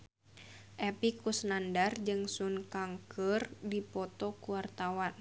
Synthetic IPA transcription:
ʔɛpikusnandard͡ʒɨŋsunkaŋkʰərdipɔt̪ɔkuwart̪awan

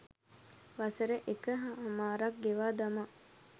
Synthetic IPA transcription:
ʋasəɾəʔekəɦaamaːɾak̚ɡeʋaːd̪ama

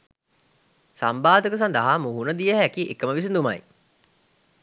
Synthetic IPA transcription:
sambaːd̪əkəs̬and̪əɦamuɦunəd̪ijəɦækiʔekəməʋis̬ind̪uma̰j

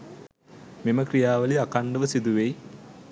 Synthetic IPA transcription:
miməkrijaːʋəliakaɳɖəʋəsid̪uʋej

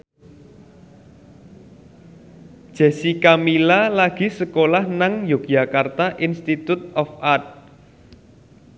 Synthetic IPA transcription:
d̥ʒ̥ɛ̤sikamilalaɡ̥i̤səkolahnaŋjo̥d͡ʒa̤kart̪aʔinst̪it̪ut̪̚ɔfat̪̚

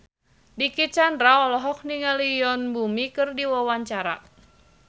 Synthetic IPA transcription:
dikit͡ʃandɾaɔlɔɦɔk̚niŋalijɔnbumikɨrdiwawaɲt͡ʃaɾa̰

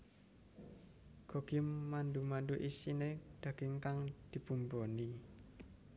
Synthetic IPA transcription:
ɡ̥ɔ̤ɡ̥ɪ̤mːandumanɖuʔisined̪̥ä̤ɡ̥ɪ̤ŋkaŋd̪̥i̤b̥umboni

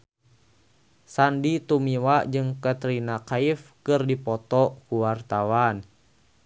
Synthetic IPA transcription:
sandit̪umiwad͡ʒɨŋkət̪ɾinakaifkɨrdipɔt̪ɔkuwart̪awan

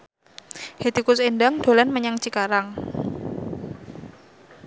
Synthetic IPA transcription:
het̪ikʊsendaŋd̪̥o̤lanməɲaŋt͡ʃikaɾaŋ

